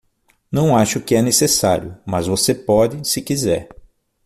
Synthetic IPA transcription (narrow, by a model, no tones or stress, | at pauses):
nɐ̃w̃aʃʊkɪɛnesesaɾjʊmɐzvosepɔd͡ʒɪsɪkizɛɾ